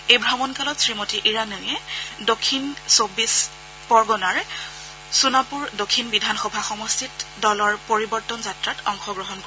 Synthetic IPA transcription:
ejbʱɹamɔnkalɔtsɹimotiʔiɹanɔjɛdokʰːinsobis | pɔɹɡɔnaɹ | sunapuɹdokʰːinbidʱanxɔbʱaxɔmostʰitdɔlɔɹpoɹibɔɹtɔnzatɹatɔŋxɔɡɹɔɦɔnko

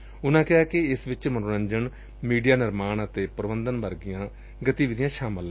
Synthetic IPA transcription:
ʊnãːkɪɦaːkɪɪsʋɪt͡ʃmənoːɾə̃ɲd͡ʒəɳ | miːɖijaːnɪɾmaːɳət̪eːpəɾbənd̪ənbəɾɡɪjãː | ɡət̪iːʋɪd̪ɪjãːʃaːməlɛː

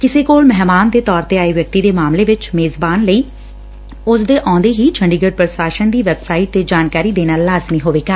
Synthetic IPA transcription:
kɪseːkoːlmɛɦmaːnd̪eːt̪ɔːɾt̪eːaːeːʋjək̚t̪iːd̪eːmaːmleːʋɪt͡ʃmeːzbaːnləiː | ʊsd̪eːʔɔ̃ːnd̪eːɦiːt͡ʃʰəɳɖiːɡəɖ̚pɾəsaːʃənd̪iːʋɛbsaːiʈ̚t̪eːd͡ʒaːnkaːɾiːd̪eːnaːlːaːzmiːɦoːʋeːɡaː

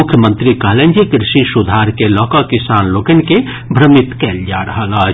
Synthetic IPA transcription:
ʊkʰjəmə̃nt̪ɾikaːlend͡ʒikɾɪʃisud̪ʱaːɾkelɔːkakɪsaːnloːkənke | bʱɾəmit̪kɛːld͡ʒaːɾəɦəla

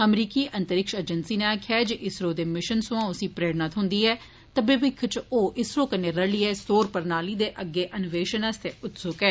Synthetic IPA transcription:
əmɾiːkiːʔənt̪əɾɪkʃəd͡ʒənsiːneːaːkʰːjaːd͡ʒeʔɪsɾoːd̪eːmɪʃənsʊ̃ãːʊsiːpɾeːɽnaːt̪ʰɦʊ̃nd̪iːɛː | t̪abɪʋɪkʰːt͡ʃoːʔɪsɾoːkənːeːɾəliːɛːsoːɾpəɾnaːliːd̪eːʔəɡːeːʔənʊʋeːʃənəst̪eːʊt̪sʊkɛː

